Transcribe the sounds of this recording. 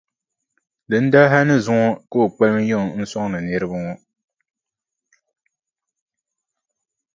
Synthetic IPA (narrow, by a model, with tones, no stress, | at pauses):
dɨ˨n̩˦da˦ɦa˦nɨ˦zʊ˦ŋɔ˦ko˦o˨k͡pɛ˦lm˦jɔ˦˨ŋ˨n̩˦sɔ˦ŋ˦nɨ˨nɨ˦ɾɨ˦ba˦ŋɔ˦